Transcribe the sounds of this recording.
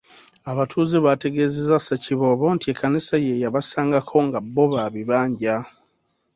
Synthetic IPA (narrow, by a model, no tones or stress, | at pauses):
aβatʰuːzeβate̞ɡe̞zezasaciβo̞βoːntieːkːanisajejaβasaːŋɡakʰo̞ŋɡabːo̞βaβiβaːɲɟa